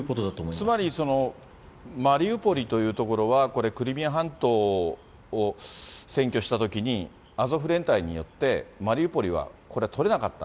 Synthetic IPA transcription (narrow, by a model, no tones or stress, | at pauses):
kot̪od̪at̪oːmot͡sɨmaɾʲiso̞no̞ | maɾʲiɯpo̞ɾʲit̪o̞jɯ̟ːt̪o̞ko̞ɾo̞βako̞ɾe̞kɯ̟ɾʲimʲiaɦãnt̪o̞ː | sẽ̞ŋkʲo̞ɕi̥t̪at̪o̞kʲiɲ̟i | azo̞ɸɯ̟ɾẽ̞nt̪aiɲ̟ḭjo̞̰t̪ːe̞maɾʲiɯ̟po̞ɾʲiβ̞a̰ko̞ɾe̞t̪ʰoɾe̞nakat̪ːa̰